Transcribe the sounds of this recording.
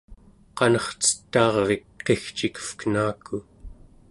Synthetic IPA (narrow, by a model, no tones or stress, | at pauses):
qɑnʌχt͡sə̥t̪ːɑːʁvekqe̞xt͡ʃikə̥fkənaːku